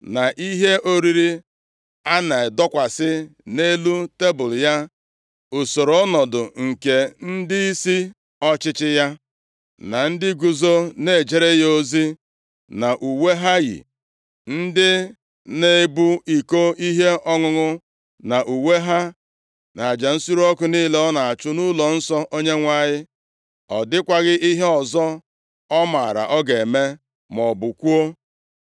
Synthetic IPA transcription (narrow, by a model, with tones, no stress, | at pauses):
na˨ʔi˦ɦe˦o˦ɾi˦ɾi˦ | a˦na˨dɔ˦kʷa˨sɪ˦ne˦lu˦te˦bʊ˨lʊ˨ja˦ | o˨so˨ɾo˨˦nɔ˨dʊ˨ŋ̩˨ke˨n̩˦dɪ˦i˦si˦ | ɔ˦t͡ʃɪ˦t͡ʃɪ˦ja˦ | na˨n̩˦dɪ˦ɡu˨zo˦ne˨d͡ʒe˦ɾe˦jo˦zi˦ | na˨ʔu˨we˦ɦa˦ɣḭ˨ | n̩˦dɪ˦ | ne˦˨bu˦i˨ko˦i˦ɦe˦ɔ˦ŋʊ˨ŋʊ˦ | na˨ʔu˨we˦ɦa˦ | na˨a˨d͡ʒa˨n̩˦su˦ɾu˦ɔ˦kʊ˨niː˦le˦ɔ˦na˨a˨t͡ʃʊ˦nu˦lɔ˨n̩˦sɔ˦ʔo˦ɲe˦ŋʷa˦ɲɪ˦ | ɔ˨dɪ˦kʷa˨ɣɪ˦i˦ɦe˦ɔ˨zɔ˦ | ɔ˦ma˨ɾa̰˨ʔɔ˦ɡe˨me˦ | mɔ˨bʊ˨kʷu˦o˦